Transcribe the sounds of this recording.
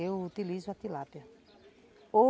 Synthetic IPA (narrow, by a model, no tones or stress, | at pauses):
ewut̪ilizʊat̪ilapjɐ | o